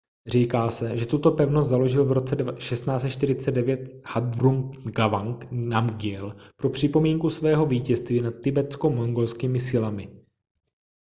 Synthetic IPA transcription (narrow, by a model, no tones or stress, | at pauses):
r̝iːkaːsɛʒɛt̪ut̪o̞pɛvnost̪zalo̞ʒɪlvɾo̞t͡sɛʃɛst̪naːt͡st̪ʃt̪ɪɾɪt͡sɛdɛvjɛt̪had̪̚bɾumɡavaŋknamɡɪɛlpɾo̞pr̝̥ɪpo̞miːŋkusvɛːɦo̞viːcɛst̪viːnat̪̚ːɪbɛt͡sko̞moŋɡo̞lskiːmɪsɪlamɪ